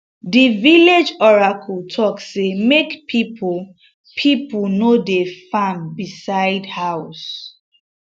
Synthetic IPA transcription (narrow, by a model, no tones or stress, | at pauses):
diviled͡ʒɔɹakʰɔltʰɔksemekpʰipʰ | pʰipunodefãmbisaɪdhaʊs